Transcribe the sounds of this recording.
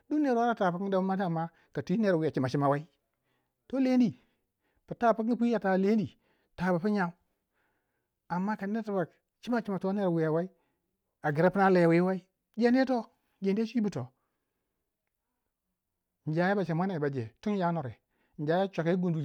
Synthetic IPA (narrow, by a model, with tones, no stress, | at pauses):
du˦ne˨ɾwa˦ɾa˦ta˨pkda˦u˦ma˦tːmːa˦ | ka˨ti˦ne˨ɾwi˨a˨t͡ʃi˨ma˨t͡ʃi˨˦ma˨wa˦i˦ | to˦le˦n˦di˨ | pi˨ta˦˨pa˦kpi˦ja˨ta˨le˦n˦i˨ | ta˨ba˨pi˦ɲa˦m˦ | a˨mːa˦ka˨˦e˦ta˨ba˨k | t͡ʃi˦ma˦t͡ʃi˨ma˨to˦ne˦ɾwi˨ja˨wa˦i˦ | a˨ɡi˨ɾa˦pi˦na˦le˨jwi˦wa˦i˦ | d͡ʒe˦nde˦to˦ | d͡ʒe˨nde˦t͡ʃʷi˦bi˦to˨ | n˨d͡ʒa˨je˦ba˨t͡ʃa˨ma˦na˨ba˨d͡ʒḛ˨tu˦n˦ja˦no˨ɾe˨ | n̩˨d͡ʒa˨˦ja˦t͡ʃʷa˨ke˦ɡu˨ndu˨